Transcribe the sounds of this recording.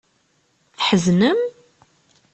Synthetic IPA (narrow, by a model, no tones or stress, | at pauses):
θħəznəm